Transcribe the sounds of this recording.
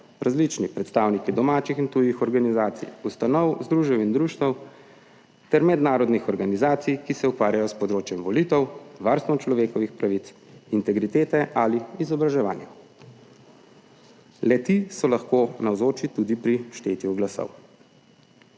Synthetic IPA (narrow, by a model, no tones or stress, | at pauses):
ɾazlit͡ʃnipɾɛt̪st̪aːwnikid̪ɔmaːt͡ʃixint̪ujixɔɾɡanizaːt̪sḭjust̪anɔwzd̪ɾuːʒjɛwind̪ɾuːʃt̪ʋɐw | t̪ɛɾmɛd̪naːɾɔd̪nixɔɾɡanizaːt̪sijkisɛukʋaːɾjajɔspɔd̪ɾoːt͡ʃjɛmʋɔlit̪ɛwʋaɾst̪ʋɔmt͡ʃlɔʋeːkɔʋixpɾaʋit̪s | int̪ɛɡɾit̪eːt̪ɛʔaliizɔbɾaʒɛʋa̰ːnja | lɛt̪isɔlaxkoːnawzoːt͡ʃit̪ud̪ipɾiʃt̪eːt̪juɡlasɔ̰w